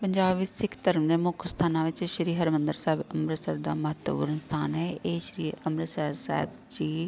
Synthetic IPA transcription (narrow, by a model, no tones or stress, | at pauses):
pəɲd͡ʒaːbʋɪt͡ʃsɪkʰt̪əɾəmd̪eːmʊkʰst̪ʰaːnãːʋɪt͡ʃʃɾiːɦəɾmənd̪əɾsɛːbəmɾəsəːbd̪a̰ːməɦət̪wəpṵːɾənst̪ʰaːnɦɛːeːʃɾiːəmɾəsɛːɪɾsa̰ːɦɪb | d͡ʒiː